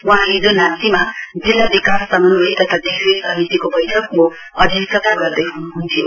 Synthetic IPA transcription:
wʌɦãɦid͡zonant̪imad͡zilːabikassʌmʌnboet̪ʌt̪ʰad̪isesʌmit̪ikobʌjʈʰʌkmo | ʌd̪ʱisʌt̪aɡʌrd̪ʌjɦunuɦunt̪ʰi

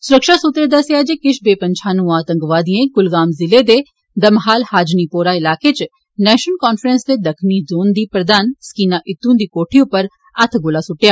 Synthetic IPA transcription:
sʊɾəkʃaːsut̪ɾeːd̪asejaːd͡ʒeːkɪʃbeːpəɲt͡ʃʰaːnũːaːt̪ə̃ŋɡʋaːd̪iẽːɡʊlɡaːmzɪleːd̪eː | d̪əmɦaːlhaːd͡ʒniːpoːɾaːɪlaːket͡ʃ | nɛːʃənkaːnfʰɾənsd̪eːd̪əkʰniːzoːnd̪iːpɾəd̪aːnsə̥kiːnaːʔɪt̪ːũːd̪iːkoːʈʰiʊ̃pəɾ | ət̪ʰɡʊlaːsʊʈːjaː

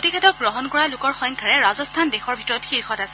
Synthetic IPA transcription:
otixʰɛtɔk̚ɡɹɔɦɔnkɔɹalʊkɔɹxɔŋkʰaɹɛɹazɔstʰandexɔɹbʱitɔɹɔtxiɹxɔtasɛ

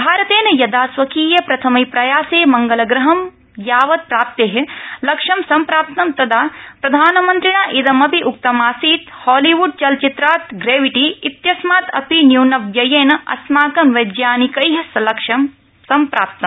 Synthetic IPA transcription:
bʱaːɾɐt̪eːnɐjɐd̪aːsʋɐkiːjɐpɾɐt̪ʰɐmɐjpɾɐjaːseːmɐŋɡɐlɐɡɾɐɦɐm | jaːʋɐd̪̚pɾaːp̚t̪eːɦelɐkʂɐmsɐmpɾaːp̚t̪nɐmt̪ɐd̪aːpɾɐd̪ʱaːnɐmɐnt̪ɾiɳaːʔid̪ɐmɐpiʔuk̚t̪ɐmaːsiːt̪hɔːliʋuɖ̚t͡ʃɐlt͡ʃit̪ɾaːt̪ɡɾeːʋiʈiːt̪jɐsmaːt̪ʰɐ̰pinjuːnɐʋjɐjeːnɐɐ̰smaːkɐmʋɐd̪jaːnikɐjɦɐsɐlɐkʂɐm | sɐmpɾaːp̚t̪nɐ̃m

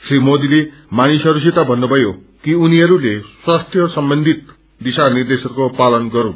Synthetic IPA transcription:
srimod̪ile | manisʌɾus̬it̪abʱʌnːubʱʌjo | kiuniɦʌɾuleswast̪ʰjʌsʌmbʌnd̪ʱit̪̚ | d̪isanird̪esʌrkopalʌnɡʌɾũ

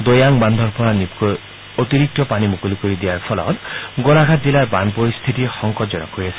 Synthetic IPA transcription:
d̪ojaŋband̪ʱɔɾpɔɾanipkɔ | ot̪iɾik̚t̪ɔpanimukulikoɾid̪ijaɾpʰɔlɔ̰t̪ɡolaɡʱat̪̚d͡ʒilaɾbanpoɾist̪ʰit̪ixɔŋkɔd͡ʒɔnɔ̰koɾiasʰi

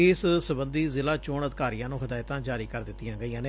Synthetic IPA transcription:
ɪːssəbənd̪iːzɪlaːt͡ʃoːɳəd̪kaːɾijãːnũːɦəd̪aːɪt̪ãːd͡ʒaːɾiːkəɾd̪ɪt̪ːɪjãːɡəiːãːneː

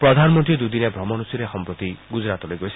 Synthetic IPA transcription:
pɾɔd̪ʱanɔmɔnt̪ɾid̪ud̪inebʱɾɔmɔnusuɾexɔmpɾɔt̪iɡud͡ʒɾat̪ɔlejɡɔsʰi

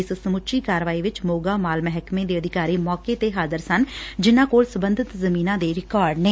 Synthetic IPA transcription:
ɪssəmʊʃiːkaːɾʋaːiːʋɪt͡ʃmoːɡaːmaːlmɛɦɛkmẽːd̪eːəd̪ɪkaːɾiːmɔːkeːt̪eːɦaːzəɾsənd͡ʒɪnːãːkoːlsəbənd̪ɪt̪zəmiːnãːd̪eːɾɪkaːɾɖnẽː

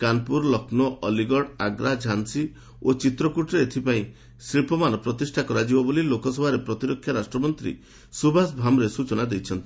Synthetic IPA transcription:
kanpuɾlɔkʰnɔʔɔliɡɔɽaɡɾad͡ʒʱansi | ot͡ʃit̪ɾɔkuʈɾeet̪ʰipaĩ | sɾiɭpɔmanɔpɾɔt̪isʈʰakɔɾad͡ʒibɔbolilokɔsɔbʱaɾepɾɔt̪iɾɔkʰːjaɾasʈɾɔmɔnt̪ɾḭ | subʱasbʱamɾesut͡ʃɔnad̪ejt͡ʃʰɔnt̪i̥

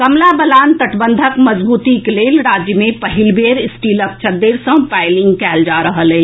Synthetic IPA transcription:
kɐmlabəlaːnt̪əʈbə̃nd̪ʱəkmɐzbuːt̪ikleːlɾaːd͡ʒjəmẽpɐɦɪlbeːɾɪsʈiːlək̚t͡ʃʰəɾd̪eːɾsə̃paːɪlɪ̃ŋɡkɛːld͡ʒaːɾəɦəlɦɛː

